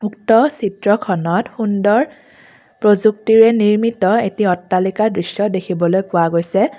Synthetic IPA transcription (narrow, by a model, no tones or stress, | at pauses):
uktɔsitɹɔkʰɔnɔtxundɔɹ | pɹozuk̚tiɹɛniɹmitɔetiɔtːalikadɹisjɔdekʰibɔlojpʊwaɡojsɛ